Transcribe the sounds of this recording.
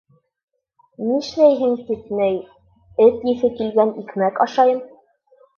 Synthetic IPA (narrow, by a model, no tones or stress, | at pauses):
niʃlæjɦɘŋsisnæj | ɘt̪jɘ̆θɘkilɡænikmækɑʃɑjɤm